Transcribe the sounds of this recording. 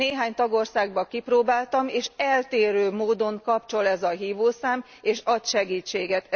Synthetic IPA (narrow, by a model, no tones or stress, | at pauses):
eːɦaːɲt̪ɒɡo̞rsaːɡ̚bɒkiproːbaːlt̪ɒmeːʃɛlt̪eːɾøːmoːd̪o̞ŋkɒpt͡ʃo̞lɛzɒɦiːvoːsaːm | eːʃɒt̪ʃɛɡiːt͡ʃːeːɡɛt̪